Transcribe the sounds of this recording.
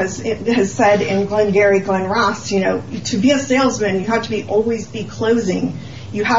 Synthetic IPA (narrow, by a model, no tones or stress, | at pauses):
ʌzɪɨz̥sɛɾɪ̃nɡlɨ̃nɡɛɹiɡlɛ̃nɹɑsjɨnoʊtʰɨbiɨseɪlˠzmɨ̃njɨɦæftʰəbiʔɔlˠwizbikʰl̥oʊzɪ̃ŋ | jɨæ